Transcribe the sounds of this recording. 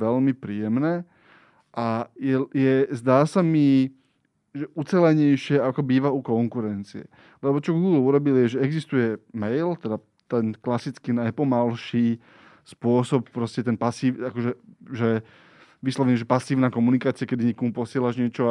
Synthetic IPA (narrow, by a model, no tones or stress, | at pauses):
ʋɛlmipɾiːjɛmnɛː | ʔajɛjɛzd̪aːsami | ʒɛʔut͡sɛlɛɲɛjʃɪɛakɔbiːʋaukɔŋkuɾɛnt͡siɛ̰ | lɛbɔt͡ʃɔɡuːɡluɾɔbiljɛʒɛɛɡzist̪ujɛmɛjlt̪ɛd̪a | t̪ɛnklasit͡skinajpɔmalʃiː | spʊɔsɔp̚pɾɔscɛt̪ɛnpasiːakɔʒɛʒɛ | ʋislɔʋɛɲɛʒɛpasiːʊnaːkɔmunikaːt͡siɪakɛd̪iɲɛːkɔmupɔsɪɛlaʒɲɪɛt͡ʃɔ